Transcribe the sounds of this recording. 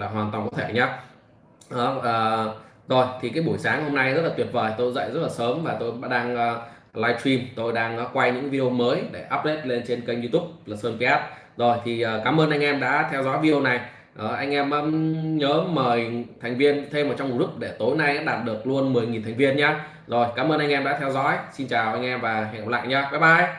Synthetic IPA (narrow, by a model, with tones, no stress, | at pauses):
laː˨˩ɦwaː˨˩nt̪wa˨˩nkɔ˨˦t̪ʰe˧˩ɲaː˨˦ | ʔɔ˨˦əː˨˩ | zo˨˩jt̪ʰi˨˩kaː˨˦jɓu˧˩əjsaː˨˦ŋho˧mna˧jzə˦˥t̚la˨˩t̪wi˨˩ət̚vəː˨˩jt̪o˧jzə̰˧˨jzə˦˥t̚laː˨˩səː˨˦mvaː˨˩t̪o˧jɓa̰ː˧˥ɗaː˧ŋəː˧ | laː˧jtwi˧mt̪o˧jɗaː˧ŋː˨˦kwa˧jɲɨ̰˧˥ŋvi˧ɗi˧o˧məː˨˦jɗe˧˩ʔaː˦˥p̚le˦˥t̚le˧nt͡ɕe˧nkə˧jɲzu˧t̪u˦˥p̚laː˨˩səː˧npi˧ɛ˦˥t̚ | zo˨˩jt̪ʰi˨˩ʔəː˨˩kaː˨˦mʔəː˧nʔa˧jŋ̟ʔɛ˧mɗa̰ː˧˥t̪ʰɛ˧wzɔ̰˨˦jvi˧wna˨˩j | ʔə˨˩ʔa˧jŋ̟ʔɛ˧mʔəː˨˦ɲəː˨˦məː˨˩jt̪ʰa˨˩ŋ̟vi˧ənt̪ʰe˧mʔəː˨˩t͡ɕɔ˧ŋ͡mmu˨˩tlʊ˦˥k͡p̚ɗe˧˩t̪o˨˦jna˧jʔa̰ː˧˥ɗaː˨˩t̚ɗɨ˨˩ək̚lu˧ənmɨ˨˩əjŋi˨˩nt̪ʰŋ̟vi˧ənɲaː˧ | zo˨˩jkaː˨˦mʔəː˧nʔa˧ŋʔɛ˧mɗa̰ː˧˥t̪ʰɛ˧wzɔ̰ː˧˦˥jsi˧nt͡ɕaː˨˩wʔa˧jŋ̟ʔɛ˧mvaː˨˩ɦŋhə˨˩p̚k͡pla̰ː˧˨jɲaː˧ka˨˦jɓaː˧˨˩j